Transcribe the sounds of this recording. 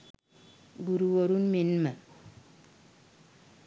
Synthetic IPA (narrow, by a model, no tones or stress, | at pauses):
ɡuɾuwoɾunmenmə